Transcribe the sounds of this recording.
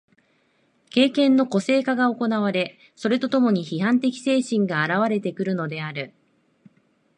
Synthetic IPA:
ke̞ːkẽ̞nːo̞ko̞se̞ːkaɡao̞ko̞naβ̞aɾe̞ | so̞ɾe̞t̪o̞t̪o̞mo̞ɲ̟içiɦãnt̪̬e̞kʲi̥se̞ːɕĩŋɡaːɾaβ̞aɾe̞t̪e̞kɯ̟ɾɯ̟no̞d̪e̞aɾɯ̟

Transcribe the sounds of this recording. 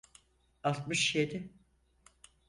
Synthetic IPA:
alˠt̪mɯʃjed̪ɪ

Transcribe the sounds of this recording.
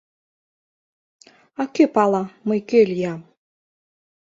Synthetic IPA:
ɑkepɑlˠɑməjkelʲjɑm

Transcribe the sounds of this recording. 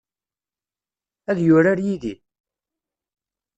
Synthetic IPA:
æðjʊɾaɾjiði

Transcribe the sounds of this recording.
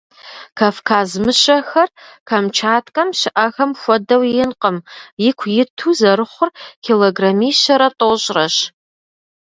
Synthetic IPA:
kʰafkʰaːzmɨɕɐxɐrkʰɐmt͡ʃʰaːtʰkʼɐmʃɪʔɐɣɐmxʷɔdɐwjɪnqəmjɪkʷʰjɪtʰuzɐɾɨχʷʊrkʰiloɡramiːʃɐɾɐtʼoɕʼrɐɕ

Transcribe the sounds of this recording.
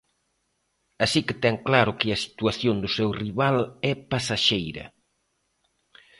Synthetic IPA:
asikɪt̪ɛŋklaɾʊkɪɐsi̥t̪uaθjond̪ʊsewriβalɛpasaʃejɾɐ̰

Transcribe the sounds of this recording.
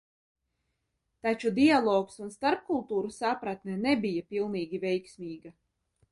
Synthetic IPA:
t̪at͡ʃud̪ialˠɔːksunst̪aɾp̚kulˠt̪uːɾusapɾat̪nɛnɛbʲijapilˠniːɡʲivɛjksʲmʲiːɡa

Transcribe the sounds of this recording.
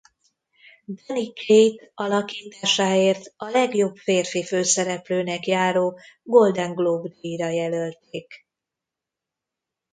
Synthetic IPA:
d̪ɛnikejt̪ɒlɒkiːt̪aːʃaːeːrt̪ɒlɛɡjo̞bfeːrfiføːsɛɾɛpløːnɛkjaːɾoːɡo̞ld̪ɛŋɡlobd̪iɾɒjɛlølt̪eːk

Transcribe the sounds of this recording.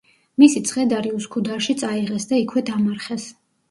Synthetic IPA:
misit̪sʰχɛd̪aɾiuskʰud̪aɾʃit̪sʼaiʁɛsd̪aikʰwɛd̪amaɾχɛs

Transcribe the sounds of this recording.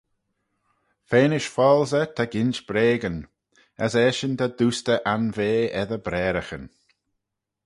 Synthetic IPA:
feːnɪʃfɔlzət̪ʰaɡɪnt͡ʃb̥ɾeːɡən | əsɛːʃənd̪ad̪uːst̪əʔanveːɛðəbɾɛːɾəxə̰n

